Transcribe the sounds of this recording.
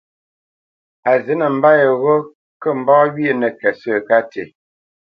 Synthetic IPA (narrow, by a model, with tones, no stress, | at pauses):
a˨zə˨˦nə˨m̩˦ba˦jə˨ɣo˦ | kə˦˨m̩˨bɔː˦ɥi˦e˦˨nə˨kɛ˨sə˦˨ka˦te˨